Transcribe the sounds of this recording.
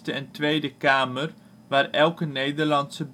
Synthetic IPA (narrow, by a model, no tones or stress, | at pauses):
təɛntʋejdəkaːmər | ʋaːrɛlˠkənejdərlɑntsəb